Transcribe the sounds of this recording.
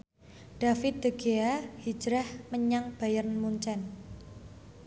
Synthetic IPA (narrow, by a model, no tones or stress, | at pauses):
ɖ̥a̤fɪt̪̚d̪̥ə̤ɡ̥eahi̥d͡ʒɾahməɲaŋb̥ajərnmuɲt͡ʃɛn